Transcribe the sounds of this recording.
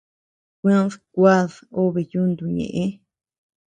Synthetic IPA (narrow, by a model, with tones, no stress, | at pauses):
kʷẽ˦ðkʷa˦ðo˦βe˨ju˦nd̪u˨ɲḛ̃˨ʔẽ˦